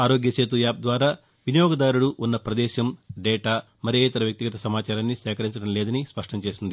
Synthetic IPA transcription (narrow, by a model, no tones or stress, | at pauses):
aːɾo̞ːɡjɐseːt̪ujaːp̚d̪ʋaːɾaː | ʋinjoːɡɐd̪aːɾuɽuʔunːɐpɾɐd̪ɛːʃɐmɖɛːʈaː | mɐɾieːt̪ɐɾɐʋjɐk̚t̪iɡɐt̪ɐsɐmaːt͡ʃaːɾaːnːiʃɛːkɐɾiɲt͡ʃɐɽɐmlɛːd̪ɐnispɐʂʈɐmt͡ʃe̞ːsind̪i